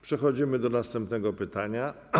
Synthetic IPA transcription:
pʂɛxɔd͡ʑimɘd̪ɔnast̪ɛmpnɛɡɔpɘt̪aɲa

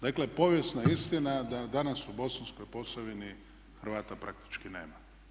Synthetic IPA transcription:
d̪aklepo̞ʋjesnaist̪inad̪ad̪anasubo̞sansko̞jpo̞saʋini | xɾ̩ʋaːt̪apɾʔak̚t̪i̥t͡ʃkinḛːma

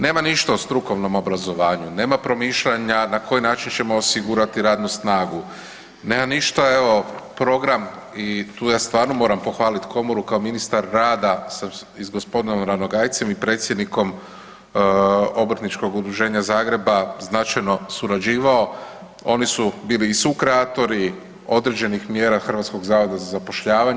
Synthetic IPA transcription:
ne̞ːmaniʃt̪aost̪ɾuko̞ʋno̞mo̞bɾazo̞ʋaːɲune̞ːmapɾo̞miːʃʎaɲanako̞jinaːt͡ʃint͡ɕe̞mo̞ːsiɡuɾat̪iɾaːd̪nusnaːɡu | ne̞ːmaniʃt̪ae̞ʋo̞pɾo̞ɡɾam | it̪uːjaːst̪ʋaːɾnomo̞ːɾampo̞xʋaːlit̪kʰo̞moɾukaominist̪aɾːaːd̪asa | izɡo̞spo̞d̪inomɾanoɡajt̪se̞mipɾe̞ːt̪sje̞d̪niko̞m | o̞bɾ̩t̪nit͡ʃko̞ɡud̪ɾuʒe̞ːɲazaːɡɾe̞baznat͡ʃajno̞suɾad͡ʒiːʋao̞ | o̞nisubiːliːsukɾeat̪o̞ɾi | o̞d̪ɾe̞d͡ʑe̞nixmje̞ːɾaxr̩ʋat̪sko̞ɡzaːʋo̞d̪azazapo̞ʃʎaːʋaɲ

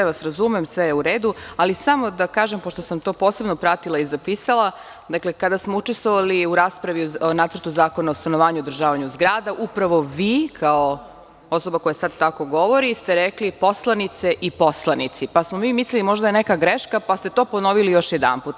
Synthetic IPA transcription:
eʋasɾazumemsʋejeuɾeːd̪ualisamo̞d̪akaːʒempoʃt̪osamt̪o̞ːpo̞ːse̞bnopɾat̪ilˠaizapisalˠa | d̪aklekad̪asmout͡ʃest̪ʋo̞ʋaliuɾaːspɾaʋionaːt̪sər̩t̪uzaːkonaost̪anoʋaːɲuod̪ɾ̩ʒaːʋaɲuzɡɾaːd̪aʔupɾaʋo̞ʋiːkʰao | oso̞bako̞jasad̪t̪ako̞ɡo̞ʋoɾist̪eɾeklipo̞slˠanit̪seʔiposlˠanit̪sipasmomiːmislilimo̞ʒd̪ajenekaɡɾeʃkapast̪e̞t̪oːpo̞no̞ʋilijo̞ʃjed̪a̰nput̪

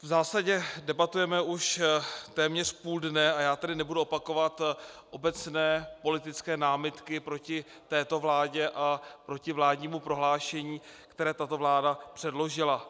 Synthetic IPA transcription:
vzaːsaɟɛdɛbat̪ujɛmɛʔuʃt̪ɛːmɲɛr̝puːldnɛajaːt̪ɛdɪnɛbuduopako̞vat̪ʔo̞bɛt͡snɛːpo̞lɪt̪ɪt͡skɛːnaːmɪt̪kɪpɾo̞cɪ | t̪ɛːt̪o̞vlaːɟɛʔapɾo̞cɪvlaːdɲiːmupɾo̞ɦlaːʃɛɲiːkt̪ɛɾɛːt̪at̪o̞vlaːdapr̝̥ɛdlo̞ʒɪla

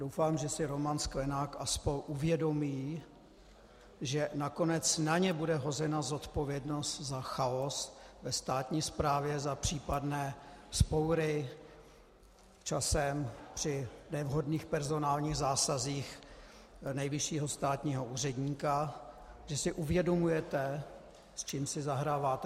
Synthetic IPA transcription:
d̥owfaːmʒɛsɪɾo̞manskvɛnaːkʔaspo̞ɲʔuvjɛdo̞miː | ʒɛnako̞nɛt͡snaɲɛbudɛɦo̞zɛnazo̞t̪po̞vjɛdno̞st̪zaxaosvɛst̪aːt̪ɲiːspɾaːvjɛzapr̝̥iːpadnɛːspowɾɪ | t͡ʃasɛmpr̝̥ɪnɛvɦodniːxpɛɾzo̞naːlɲiːɣzaːsaziːx | nɛjvɪʃiːɦo̞st̪aːt̪ɲiːɦo̞ʔuːrɛdɲiːka | ʒ̥ɛsɪʔuvjɛdo̞mujɛt̪ɛ | st͡ʃiːmsɪzaɦɾaːvaːt̪ɛ

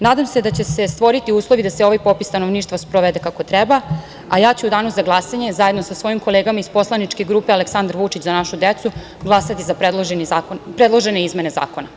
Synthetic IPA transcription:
naːd̪amse̞d̪at͡ɕe̞se̞st̪ʋo̞ɾit̪iuːslˠo̞ʋid̪aseo̞ʋajpo̞pist̪anoʋniːʃt̪vʋaspɾoʋed̪e̞kako̞t̪ɾɛba | ajaːt͡ɕuud̪aːnuzaɡlˠasaɲe̞zaje̞d̪nosasʋo̞jimko̞leːɡamaizpo̞slˠanit͡ʃke̞ɡɾuːpealeksand̪ɾʋut͡ʃit͡ɕzanaʃud̪et̪su | ɡlˠasat̪izapɾed̪lˠoʒeniaːkonpɾed̪lˠo̞ʒeneizme̞ne̞za̰ːko̞na

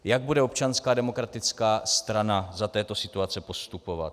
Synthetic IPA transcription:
jaɡ̚budɛo̞pt͡ʃanskaːdɛmo̞kɾat̪ɪt͡skaːst̪ɾanazat̪ɛːt̪o̞sɪt̪uat͡sɛpo̞st̪upo̞va̰t̪

